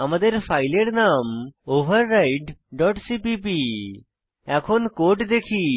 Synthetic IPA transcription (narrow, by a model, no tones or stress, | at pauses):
amad̪eɾpʰajleɾnamobʱaɾːajʈɖɔʈsipipi | ɛkʰonkoʈd̪ekʰi